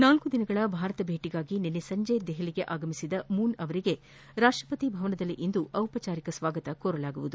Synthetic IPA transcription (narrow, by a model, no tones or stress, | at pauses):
naːlkud̪inɐɡɐɭɐbʱaːɾɐt̪ɐbʱeːʈiɡaːɡinenːesɐɲd͡ʒejd̪ɛɦɐliɡe̞ʔaːɡɐmisid̪ɐmuːnɐʋɐɾiɡe̞ | ɾaːʂʈɾɐpɐt̪ibʱɐʋɐnɐd̪ɐlːiʔind̪uʔɐwpɐt͡ʃaːɾikɐsʋaːɡɐt̪ɐkoːɾɐlaːɡuʋud̪u